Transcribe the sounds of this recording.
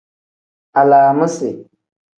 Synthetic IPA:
a˨laː˨mə˦sɪ˨

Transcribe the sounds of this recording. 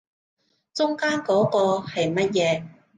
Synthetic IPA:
t͡sʊ˥ŋkaː˥nkɔː˨˥kɔː˧hɐ˨jmɐ˥t̚jɛː˨˧˦

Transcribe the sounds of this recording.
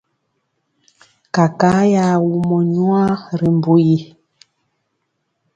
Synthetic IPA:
ka˨ka˨˦ja˨wu˨mɔ˨ɲwa˦ɾi˨m˨bu˨ji˨

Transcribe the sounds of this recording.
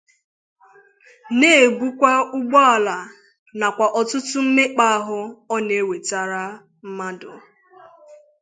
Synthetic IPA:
ne˦˨e˨ɡ͡bu˦kʷa˦ʊ˦ɡ͡bɔ˦a˨la˨ | na˨kʷa˨ʔɔ˨tʊ˦tʊ˦m̩˦me˦k͡pa˦a˦ɦʊ˦ɔ˦ne˨˦we˨ta˨ɾa˦ | m̩˦ma˦dʊ̰˨

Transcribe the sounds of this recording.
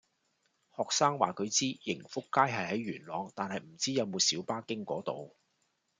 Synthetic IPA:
hɔː˨k̚saː˥ŋwaː˨kʰɵ˨˧ɥt͡siː˥jɪ˨˩ŋfʊ˥kːaː˥jɦɐ˨jɦɐ˨˥jɥyː˨˩nlɔː˨˧ŋt̪aː˨nɦɐ˨jm̩˨˩t͡siː˥jɐ˨˧wmoː˨˧siː˨˥wpaː˥kɪ˥ŋkɔː˨˥t̪o˨w

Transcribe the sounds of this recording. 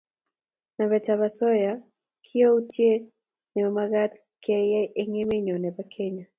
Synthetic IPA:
na˨βɛ˨taβasɔ˦ja | kʰi˦jo˦u˦tʰje˦ | nɛ˨ɔ˨maɣa˦t | kʰɛ˦jɛ˦ʔe˦ŋe˦me˦ɲɔ˨nɛ˨bakʰɛ˦ɲa˨

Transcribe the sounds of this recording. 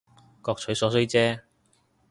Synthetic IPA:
kɔː˧k̚t͡ʃʰɵ˨˥ɥsɔː˨˥sɵ˥ɥt͡sɛː˥

